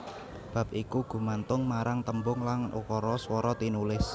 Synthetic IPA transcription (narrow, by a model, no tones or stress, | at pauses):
b̥ä̤p̚ʔikuɡ̥ṳmant̪ʊŋmaɾaŋt̪əmbʊŋlaŋʔṵkɔɾɔswɔɾɔt̪inulɪs